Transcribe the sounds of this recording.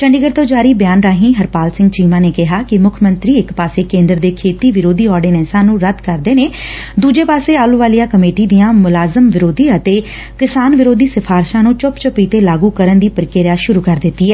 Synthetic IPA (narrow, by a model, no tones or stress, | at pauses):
t͡ʃəɳɖiːɡəɾt̪oːd͡ʒaːɾiːbjaːnɾaːɦĩːɦəɾpaːlsɪ̃ŋɡt͡ʃiːmãːneːkɪɦaːkɪmʊkʰmənt̪ɾiːɪkpaːseːkẽːnd̪əɾd̪eːkʰeːt̪iːʋɪɾoːd̪iːɔːɾɖiːnɛːsãːnũːɾəd̪kəɾd̪eːneːd̪uːd͡ʒeːpaːseːaːluːʋaːlijãːkəmeːʈiːd̪ijãːmʊlaːzəmʋɪɾoːd̪iːət̪eː | kɪsaːnʋɪɾoːd̪iːsəpʰaːɾʃãːnũːt͡ʃʊpt͡ʃʊpiːt̪eːlaːɡuːkəɾənd̪iːpəɾkɪɾjaːʃʊɾuːkəɾd̪ɪt̪ːiːɛː